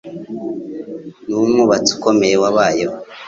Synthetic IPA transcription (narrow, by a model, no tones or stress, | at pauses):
numuβat͡su̥komejewaβaːjo